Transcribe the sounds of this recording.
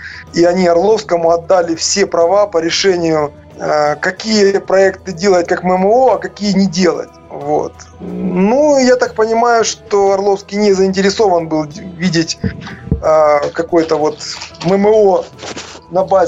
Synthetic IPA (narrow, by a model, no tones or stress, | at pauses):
iɐnʲiɐrlˠo̞fskəmʊɐd̪ːalʲɪfsʲe̞pɾɐvapəɾʲɪʂɛnʲɪjʊ | kɐkʲijəpɾɐɛkt̪ɨdʲe̞lˠəjɪt̪̚kakmɛməoɐkɐkʲijənʲɪdʲe̞lˠə̰tʲ | vo̰t̪nujat̪ak̚pənʲɪmajʊʂt̪o̞ɐrlˠofskʲinʲɪzəɪnʲtʲɪɾʲɪso̞vənbɨlˠvʲidʲɪtʲ | əkɐko̞jt̪əvo̞t̪mɛməo | nɐbaz